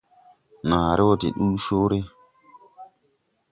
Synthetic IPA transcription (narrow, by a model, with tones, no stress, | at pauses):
naː˨ɾʔe˦wo˦tḭ˨ɗu˦soː˦ɾe˦